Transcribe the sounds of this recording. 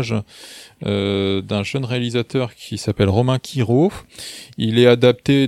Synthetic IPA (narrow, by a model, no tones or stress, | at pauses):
ʒ | ød̪ɛ̃ʒənʁealizat̪œʁkʲʰisapɛlʁɔmɛ̃kʲʰiʁofilɛad̪ap̚t̪e